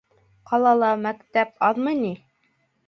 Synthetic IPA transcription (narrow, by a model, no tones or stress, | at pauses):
qʰɑlˠɑlˠɑmækt̪æpɑðmɤjni